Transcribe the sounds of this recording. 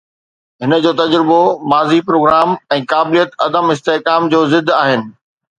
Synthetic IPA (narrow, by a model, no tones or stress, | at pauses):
ɦɪnə̆d͡ʑoːt̪ɐd͡ʑɾɪbomaːzipɾoːɡɾaːmɛ̃ːkaːbɪlijət̪ɐd̪əmɪs̬t̪eɦkaːmd͡ʑoːzɪd̪ʱaːɦɪnɪ̆